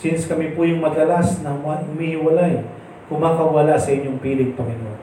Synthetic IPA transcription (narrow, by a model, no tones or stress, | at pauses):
sɪnskɐmipʊjʊŋmɐd̪ɐlasnɐŋmahʊmiːhɪwɐlaj | kʊmaːkɐwɐlasɐʔɪɲːoŋpiːlɪɡ̚pɐŋɪnoʔon